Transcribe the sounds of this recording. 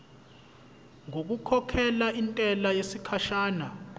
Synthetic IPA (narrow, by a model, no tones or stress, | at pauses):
ŋok̬ukʰɔkʰɛlaʔintʼɛlajesikʰaʃaːna